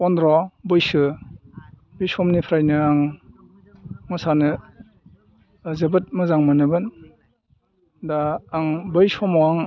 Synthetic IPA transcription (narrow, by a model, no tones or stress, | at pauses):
ɔndɾɔbɯjsɯ | bijsɔmnipʰɾajnɯaŋ | mɔsanɯ | zɯbɯt̚mɯzaŋmanɯbɯn | daːŋbɯjsɔmɔaŋ